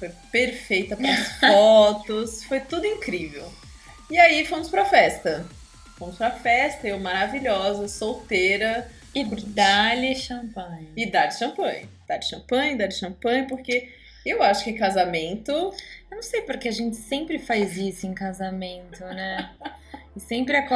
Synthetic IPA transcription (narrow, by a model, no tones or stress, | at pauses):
fojpeɾfejt̪ɐpɾɐsfɔt̪ʊsfojt̪ud̪ʊĩkɾivḛw | iaifõmʊspɾɐfɛst̪ɐ | fõmʊspɾɐfɛst̪ɐowmaɾaviʎɔzɐsowt̪eɾɐ | d̪aliʃɐ̃pɐ̃ɲɪd̪ad͡ʒɪʃɐ̃mpɐ̰̃jd̪̥ad͡ʒɪʃɐ̃mpɐ̃j̃ɐd̪ad͡ʒɪʃɐ̃pɐ̃jɐpoɾke | ewaʃʊ̥kɪ̃kazamẽnt̪ʊewnɐ̃w̃sejpʊɾkeaʒẽnt͡ʃɪ̥sẽmpɾɪfajzisʊẽkazamẽt̪ʊnɛ | ɪsẽmpɾɪɛk